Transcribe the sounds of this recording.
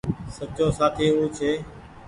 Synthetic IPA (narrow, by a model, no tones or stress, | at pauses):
sət͡ʃõːsaːt̪ʰiːuːt͡ʃʰeː